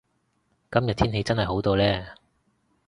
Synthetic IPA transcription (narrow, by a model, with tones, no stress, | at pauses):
kɐ˥mjɐ˨t̚t̪ʰiː˥nɦe˨˧jt͡sɐ˥nhɐ˨˩jɦo˨˥wt̪o˧wlɛː˥˩